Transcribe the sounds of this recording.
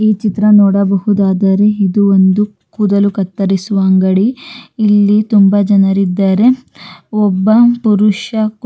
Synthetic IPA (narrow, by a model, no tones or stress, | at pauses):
iːt͡ʃit̪ɾɐnɔːɽɐbɐhud̪aːd̪ɐɾe̞id̪uond̪u | kuːd̪ɐlukɐt̪ːɐɾisuʋaːŋɡɐɽiːlːit̪umbɐd͡ʒɐnɐɾid̪ːaːɾe̞ɔbːɐpuɾuʂɐ